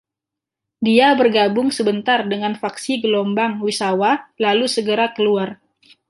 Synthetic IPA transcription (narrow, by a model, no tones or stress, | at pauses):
diabərɡabʊŋsəbənt̪ardəŋanfaksiɡəlombaŋwisawalalusəɡəɾakəluar